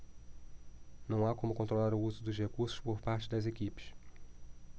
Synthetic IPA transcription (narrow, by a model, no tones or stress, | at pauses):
nɐ̃w̃akõmʊkõnt̪ɾolaɾʊuzʊd̪ʊzhekuɾsʊ̥ʃpoɾpaɾt͡ʃɪd̪ɐzekipɪ̥ʃ